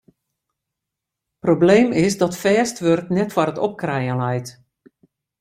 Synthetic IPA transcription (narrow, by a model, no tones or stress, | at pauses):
probleːmɪsdɔtfɛːstʋørtnɛtfɔɾətɔp̚krɛjənlɛjt